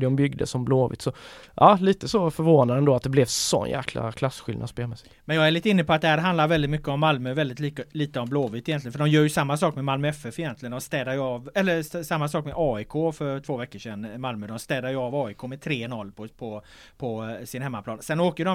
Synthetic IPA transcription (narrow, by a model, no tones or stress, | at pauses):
d̪əɔmbʏɡd̪ə̰sɔmbloːvɪ̰t̪sɔʔɑːliːt̪əsɔfœɾvoːnad̪ɛnd̪oːat̪̚d̪ɛblɛvsɔ̰njæ̰ːkʰla̰kʰlasɧɪla̰d̪speːmɛsɪ | mɛnjɑːɡæɾɭit̪ːəɪnːəpʰɔat̪̚d̪ɛhæːɾɦand̪laɾvɛld̪ɪt̪mʏkːəɔmːalmøvɛld̪ɪt̪liːkəliːt̪əɔmbloːvɪt̪ɪjɛnt̪lɪənfœɖɔmjœːɾjɵsamːasɑːkmɛmalmœɛfɛfɪjɛnt̪lɪɡənd̪ɔmst̪ɛːd̪aɾjəɑːvɛlːəsamːasɑːkmɛʔɑːɪkʰoːfœɾʈ̪ʰv̥oːvɛkːəʂɛnmalməd̪ɔmst̪ɛːd̪aɾjɵɑːvɑːɪkʰoːmɛt̪ʰɾeːnɔlːpʰɔpʰɔ | pʰɔsɪnhɛmːaplɑːnsɛnoːkəjdɔ